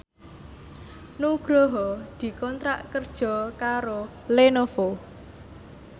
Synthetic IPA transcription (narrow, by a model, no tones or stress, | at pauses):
nuɡ̥ɾɔɦɔd̪̥i̤kɔnt̪ɾaʔkərd̥ʒ̥ɔ̤kaɾo | lenofo